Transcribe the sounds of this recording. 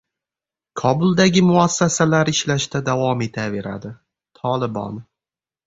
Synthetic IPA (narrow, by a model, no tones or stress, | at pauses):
kʰɒbʊlˠd̪aɡʲɪmʊɒsːasalaɾɪʃlaʃt̪ad̪avɒme̞t̪ʰave̞ɾa̰d̪ɪ | t̪ʰɒlɪbɒ̰n